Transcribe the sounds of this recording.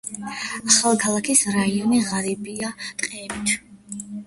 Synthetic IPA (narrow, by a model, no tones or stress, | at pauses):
aχalˠkʰalˠakʰisɾaiɔniʁaɾibiat̪ʼqʼɛbit̪ʰ